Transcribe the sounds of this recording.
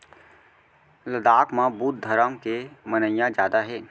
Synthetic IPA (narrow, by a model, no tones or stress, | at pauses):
ləd̪aːkmãbuːt̪̚d̪ʱəɾəmkemənəjjãd͡ʒjaːd̪aɦɛː